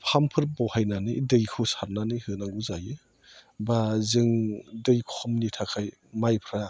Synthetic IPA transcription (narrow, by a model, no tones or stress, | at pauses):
pʰampʰɯɾbɔwhajnanɯdɯjkʰɯsaɾnanɯhɯnaɡuzajɯ | bazɯŋdɯjkʰɔmnitʰakʰaj | majpʰɾa